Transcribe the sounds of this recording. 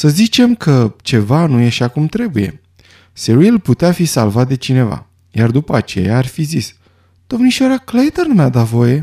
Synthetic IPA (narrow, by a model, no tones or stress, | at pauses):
səzit͡ʃe̞mkʰət͡ʃe̞vanujeʃakumt̪ɾe̞buje̞̰ | seɾilput̪eafisa̰lvat̪̚d̪e̞t͡ʃine̞va̰ | jard̪upəat͡ʃe̞̰jaːrʲfizis | d̪̥o̞mniʃaɾaklejt̪ərnumad̪at̪vo̞je̞